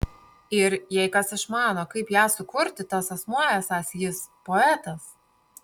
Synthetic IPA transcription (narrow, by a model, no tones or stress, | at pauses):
ɪɾjɛɪkɐsɪʃmɑːnoːkɐɪpjæːsʊkʊɾʲt̪ʲɪt̪ɐsɐsmuɔjɛsɑːsjɪspoɛt̪ɐs